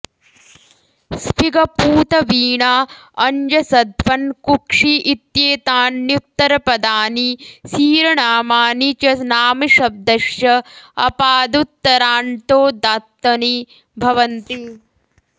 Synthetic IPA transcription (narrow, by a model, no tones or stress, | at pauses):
spʰiɡɐpuːt̪ɐʋiːɳaːɐɲd͡ʒɐsɐd̪ʋɐnkukʂiʔit̪jeːt̪aːnːjut̪ːɐɾɐpɐd̪aːnisiːɾɐɳaːmaːnit͡ʃɐnaːmiʃɐb̚d̪ɐʃjɐɐpaːd̪ut̪ːɐɾaːɳʈ̪oːd̪aːt̪ːɐni | bʱɐʋɐnt̪i